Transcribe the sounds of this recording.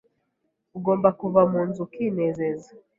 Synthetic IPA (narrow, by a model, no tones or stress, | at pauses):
uɡo̞ːmbakuvamuːnzukinezeza